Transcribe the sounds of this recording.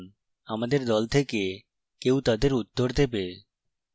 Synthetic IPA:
n | amad̪eɾd̪ɔlt̪ʰeke | kewt̪ad̪eɾut̪ːoɾd̪epe

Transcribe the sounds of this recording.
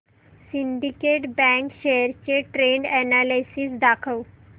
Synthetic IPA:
siɳɖikeʈbɛ̃ŋkɕeəɾt͡ɕeʈɾeɳɖɛnalajsiːsd̪akʰəw

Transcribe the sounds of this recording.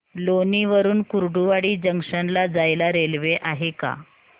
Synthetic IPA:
loniʋəɾuːnkuɾɖuʋaɽiːd͡ʑəŋʂənlad͡zajlaɾelʋeʔaɦeka̰

